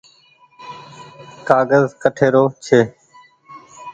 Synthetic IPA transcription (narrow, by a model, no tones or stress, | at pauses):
kaːɡəzkəʈʰeːɾoːt͡ʃʰeː